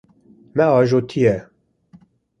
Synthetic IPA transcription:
mɛɑːʒot̪ʰijɛ

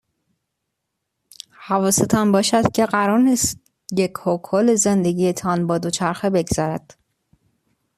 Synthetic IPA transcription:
hævɒːset̪ʰɒnbɒːʃæd̪̥cʲʰe̞ɢæɾɒːɾnist̪ | jecʰhokʰɒːlezend̪e̞ɟiːjet̪ʰɒnbɒːd̪ot͡ʃʰæɾxebe̞ɡz̥ɒːɾæd̪̥

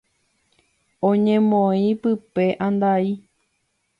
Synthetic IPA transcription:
õɲẽmõĩpɨpe̞ʔãnd̪ai

